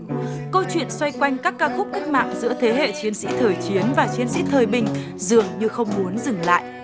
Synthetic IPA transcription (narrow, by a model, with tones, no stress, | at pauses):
kə˧wt͡ɕwḭ˧˨ənswa˧jkwa˧jŋ̟kaː˦˥kːaː˧xʊ˦˥k͡p̚ki˦˥k̟̚ma̰ː˧˨ŋzɨ̰˧˥ət̪ʰe˨˦ɦḛ˧˨t͡ɕi˨˦ənsḭ˧˥t̪ʰəː˨˩jt͡ɕi˨˦ənvaː˨˩t͡ɕi˧ənsḭ˧˥t̪ʰəː˨˩jɓï˨˩ŋ̟ | zɨ˨˩əŋɲɨ˧xə˧wŋ͡mmu˨˦ənzɨ˨˩ŋla̰ː˧˨jʔ